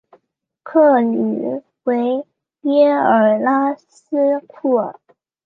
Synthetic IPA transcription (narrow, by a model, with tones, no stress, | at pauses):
kʰɤ˥˩ny˨˩ | we˧˥ɪ | ljɛ˥ə˞˨˩la˥sɹ̩˥kʰɔ˥˩